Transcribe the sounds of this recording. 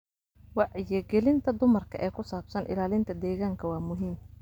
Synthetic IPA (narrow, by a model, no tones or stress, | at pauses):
wɑʕɪjɛɡɛlɪnt̪ʰɐd̪ʊmɐrkʰɐ̰ʔɛːkʰʊsaːbsɐnʔɪ̰laːlɪnt̪ʰɐd̪ɛːɣaːŋkʰɐwɑːmʊɦiːm